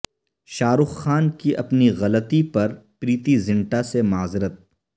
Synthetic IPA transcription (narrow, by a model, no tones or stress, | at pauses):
ʃaːɾʊxːaːnkiʔɐpniɣɐlət̪ipɐɾpɾiːt̪izɪ̃ɳʈasemaːzɪɾət̪̚